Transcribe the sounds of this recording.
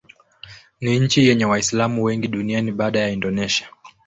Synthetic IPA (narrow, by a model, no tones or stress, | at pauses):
niɲ̩t͡ʃijɛɲɛwaislamuwɛŋɡiɗunianiɓaːɗajaindɔnɛʃia